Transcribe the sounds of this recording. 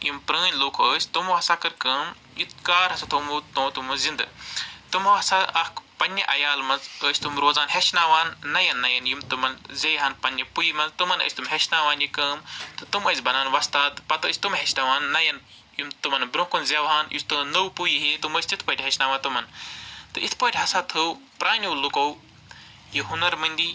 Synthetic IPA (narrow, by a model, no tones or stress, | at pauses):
jimpɾəːnʲloːkʰoəːsʲt̪umoɦɐsakɨɾkɐːm | jit̪̚kaːɾhɐsɐt̪ʰumut̪õːt̪umuzind̪ɨ̰t̪ɨmoɐsaɐkpɐnʲːɐʔɐjaːlmɐnzəːsʲt̪umɾoːzaːnheʃnaːʋaːnːɐjɐnːɐjɐnjimt̪umɐnzejɦɐnpɐnʲːɐpujimɐnzt̪ɨmɐnə̰ːsʲt̪umɦeʃnaːʋaːnjikɐːmt̪ɨt̪ɨmɐzʲbɐnaːnʋɐst̪aːt̪pɐt̪ɐːsʲt̪umɦeʃnaʋaːnːɐjɐn | jumt̪ɨmɐnbɾõkunzʲewɦaːnjṵsʲt̪unɐwpujiɦit̪uməːsʲt͡ʃit̪ʰpɐːʈʲɦeʃnaːʋaːnt̪umɐnt̪ɨit̪ʰpɐːʈʲɦɐsaːt̪ʰɨw | pɾaːnʲuːlukow | jiɦunɐɾmɨnʲd̪ʲi